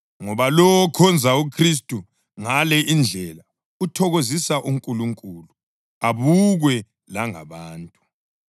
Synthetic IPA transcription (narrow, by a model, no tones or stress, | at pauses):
ŋɔβalɔwɔkʰɔnd͡zʱaukʰris̬tʼu | ŋalɛʔind͡ɮʱɛla | utʰɔɣozisaʔuŋkʼuluŋkʼulu | aβuɣwɛ | laŋa̰βaːntʼu